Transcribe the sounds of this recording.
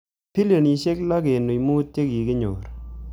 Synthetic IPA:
pʰi˦le˨ni˨ʃe˦kla˦ke˨nu˨jmuː˦te˦ki˨ɡe˦ɲo˨ɾ

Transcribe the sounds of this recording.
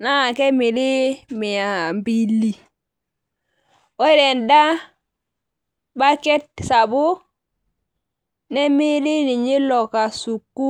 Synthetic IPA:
na˦˨ke˦mi˨ɾi˦mi˨ja˨mbi˦lːi˦ | wo˦ɾe˨nda˦ | ba˦ke˦t̚sa˨bu˦ | ne˦mi˦ɾi˦ni˨ɲi˦lo˨ka˨su˨kːu˦

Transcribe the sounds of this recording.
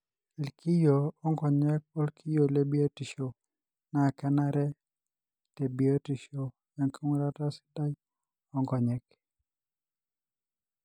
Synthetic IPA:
e˨lki˦jo˨ɔ˦ŋɡɔ˨ɲɛ˦k̚o˦lkʰi˦jo˨le˦bi˦a˦ti˨ʃo˨ | na˨kɛ˦na˦ɾɛ˦ | te˨bi˨a˦ti˨ʃo˨ | ja˨ŋkʰi˦ŋ˦ɾa˦ɾa˦si̥˦da˦j | ɔ˦ŋɡɔ˨ɲɛ˨k

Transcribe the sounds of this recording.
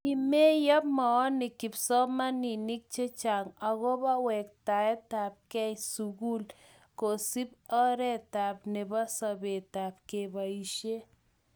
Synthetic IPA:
i˨me˦ja˦p̚mɔ˨ɔ˦nɪ˨kɪ˨psɔ˦ma˦ni˨ni˦k̚t͡ʃe˦t͡ʃa˨ŋa˨ɣɔ˦ba˦wɛ˨k̚ta˨ɛ˦ta˨p̚kɛ˦isu˨ɣu˦l | ko˨si˦p̚ɔ˦ɾɛ˦ta˨p̚ne˨ba˦sa˨be˨ta˨p̚ke˨ba˨i˨ʃe˦

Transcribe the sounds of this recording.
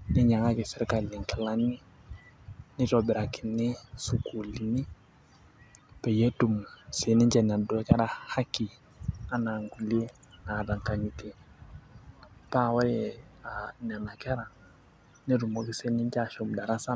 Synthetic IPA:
ni˦ɲa˨ŋa˦ki˨sɛ˦ɾka˨li˨ŋka˨la˦ni˦ | ni˦tɔ˨bɛ˨ɾa˨ki˨ni˦su˨ku˨li˨ni˦ | pɛ˨je˦tu˨mse˨ni˦ɲd͡ʒɛ˨n˨a˨dɔ˦kɛ˦ɾa˨ha˦ki˨ | a˦na˨ŋku˨li˦e˦ | na˨da˨ŋka˨ɲi˨te˨ | pa˦˨wa˦jɛ˨a˨n˨a˨na˨kɛ˦ɾa˨ | ne˦ɾu˨mo˦ki˨˦se˦ni˦ɲt͡ʃa˨ʃo˨mda˨ɾa˦sa˦

